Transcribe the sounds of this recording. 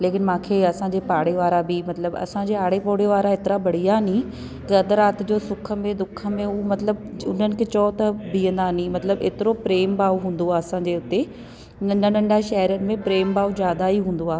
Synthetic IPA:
leːkɪnmãːkʰeːɐsãːɲd͡ʑeːpaːɽeʋaːɾabɪmɐt̪ləbɐ̰sãd͡ʑeaːɽ̤epoːɽeʋaːɾaet̪ɪɾabɐɽ̤ijaɦnĩ | kɐd̪əɾaːt̪d͡ʑoːsʊkʰə̆mẽd̪ʊkʰə̆mẽmɐt̪ləbʊ̰n̤ənɪ̆kʰet͡ɕɔːt̪ɐbiːə̃nd̪anĩmɐt̪ləbḛːt̪ɪɾopɾeːmbaːuɦũːn̆d̪oaːɐsãːɲd͡ʑeʊt̪e | nɐnɐnɐ̃ɳɖaʃɛːɦɪɾjənɪ̆mẽpɾeːmbaːud͡ʑaːd̪aiɦũːnd̪oaː

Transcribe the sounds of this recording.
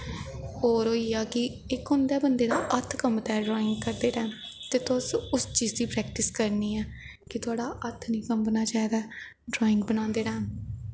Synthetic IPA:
oːɾɦoːiːaːkɪ | ɪkɦʊ̃nd̪ɛːbənd̪eːd̪aːʔət̪ʰkəmt̪ɛːɖɾɔːɪ̃ŋɡ̚kəɾd̪eːɾaː | t̪eːt̪ʊsʊst͡ʃiːzd̪iːpɾɛːk̚ʈɪskəɾniːɛː | kɪt̪ʊaːɽaːʔət̪ʰnĩːkəmbənaːt͡ʃaːid̪aː | ɖɾɔːɪ̃ŋɡbənãːnd̪eːɾaː

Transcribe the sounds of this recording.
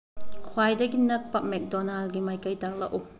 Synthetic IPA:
kʰwajdɐɡinɐk̚pɐp̚mɛk̚dɔnalɡimajkɐjtak̚laʔu

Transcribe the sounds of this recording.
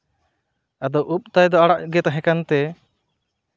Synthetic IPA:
ad̪ɔwʔup̚t̪ajd̪ɔaɽaʔɡɛt̪ɦɛ̃kant̪ɛ

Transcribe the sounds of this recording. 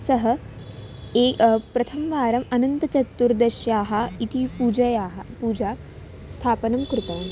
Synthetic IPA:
sɐɦɐ | eːpɾɐt̪ʰɐmʋaːɾɐmɐnɐnt̪ɐt͡ʃɐt̪ːuɾd̪ɐʃjaːɦɐit̪ʰipuːd͡ʒɐjaːɦɐpuːd͡ʒaː | st̪ʰaːpɐnɐmkɾɪt̪ɐːm

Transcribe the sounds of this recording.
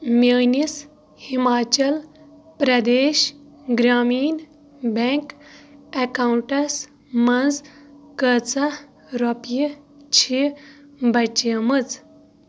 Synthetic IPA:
meːnis | himaːt͡ʃɐl | pɾɐd̪eːʃ | ɡɾaːmiːn | beŋkekawuɳʈɐs | mɐnzkət͡sɐ | ɾopjit͡ʃʰi | bɐt͡ʃjɐmɨt͡s

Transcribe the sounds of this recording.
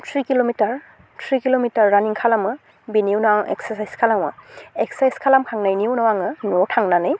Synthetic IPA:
tʰɹikilomitaɹ | tʰɹikilomitaɹːaniŋkʰalamɯ | biniwnwaŋɛ̰ksasajskʰalawɯ̰ɛksajskʰalamkʰaŋnajniwnɔwaŋɯnɔtʰaŋnanɯj

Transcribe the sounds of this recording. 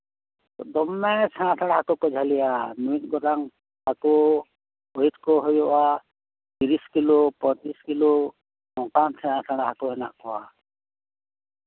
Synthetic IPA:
d̪ɔmːɛsʰɛñãtʰaɽaɦakɔkɔd͡ʒʱalijanuit̪̚ɡɔɾaŋ | hakɔ | oit̪̚kɔɦujɔʔa | t̪iɾiskilɔpɔ̃t͡ʃiskilɔ | nɔ̃kansʰɛɽãsʰaɽ̃ahakɔɦɛna̰ʔkɔwa

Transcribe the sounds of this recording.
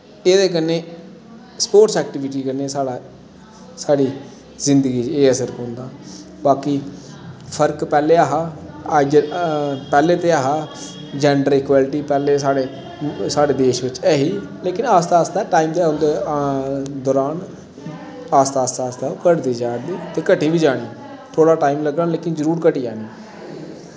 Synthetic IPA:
eːd̪eːk̬ənːeː | spoːʈsɛːk̚ʈɪʋɪʈiːkəneːsaːɽaː | saːɽiː | zɪnd̪əɡiːeːəsəɾkõnd̪aː | baːkiː | pʰəɾkpɛːleːaːɦaːd͡ʒ | pɛːleːt̪eːaːɦaː | d͡ʒɛːɳɖəɾɪkwaːlʈiːpɛːleːsaːɽeː | saːɽeːd̪eːʃʋɪt͡ʃɛːɦiːleːkɪnaːst̪aːst̪aːʈaːiːmd̪eːʊnd̪eː | d̪ɔːɾaːn | aːst̪aːst̪aːst̪aːkəɽd̪iːd͡ʒaːɽd̪iːt̪eːkəʈiːʋiːd͡ʒaːɽ̃iː | t̪ʰoːɽaːʈaːimləɡəleːkɪnd͡ʒəɾuːɾkəʈiːd͡ʒaːɽiː

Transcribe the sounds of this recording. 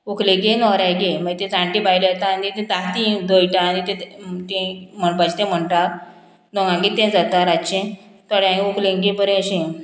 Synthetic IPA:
uklẽɡenɔɾãjɡeməɡt̪ẽd͡zãɳʈĩbajlet̪aːnit̪ẽd̪at̪ĩd̪ojʈãːnit̪ẽt̪ẽm̤əɳpat͡ɕi̥t̪ẽm̤əɳʈaɾ | d̪ɔ̃ŋɡãŋɡit̪ẽd͡zat̪aɾat͡ɕẽ | t̪ɔɽãɡukʰlẽŋɡebəɾẽɕẽ

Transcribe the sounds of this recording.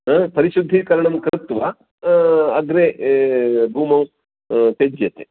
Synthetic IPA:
pɐɾiʃud̪ʱːikɐɾɐɳɐmkɾt̪ʋɐ | ɐɡɾe | bʱuːmɐw | t̪ed͡ʒjɐt̪e

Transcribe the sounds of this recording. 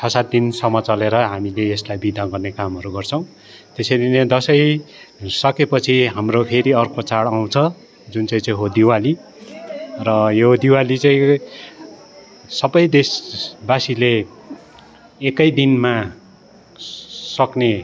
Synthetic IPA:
t͡sʰʌsat̪̚d̪insʌmʌt͡sʌleɾʌɦamileeslajbid̪ʱaɡʌrnekamɦʌɾuɡʌrt͡sʰʌ̃w̃ | t̪esʌjd̪ined̪ʌsʌj | sʌkepʌt͡sʰiɦamropʰeɾiʌrkʰot͡saɽaw̃t͡sʰʌ | d͡zunt͡saĩt͡saĩɦod̪iwali | rʌjoɦod̪iwalit͡saĩ | sʌbʌjd̪esbasile | kʌjd̪inma | sʌkne

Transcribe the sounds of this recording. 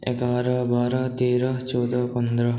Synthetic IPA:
ḛkaːɾɐbaːɾɐt̪iːɾɐt͡ʃoːd̪ɐkond̪ɾɐ

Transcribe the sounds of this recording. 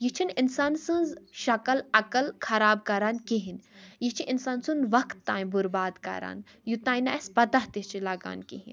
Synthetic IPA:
jit͡ʃʰininsaːnsɨ̃nzʃɐkɐlɐkəlkʰɐɾaːb̚kɐɾaːnkiɦinjit͡ʃʰiʔinsaːnsunʋɐkt̪ːãːj̃buɾbaːd̪kɐ̰ɾa̰ːn | jut̪aːjnaːjspɐt̪ɐɦt̪ist͡ʃʰilaːɡa̰ːnkḭɦḭn

